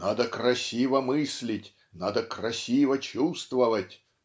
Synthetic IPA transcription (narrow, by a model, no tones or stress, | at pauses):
nad̪əkrɐsʲivəmɨsʲlʲɪtʲ | nad̪əkrɐsʲivət͡ɕust̪vəvətʲ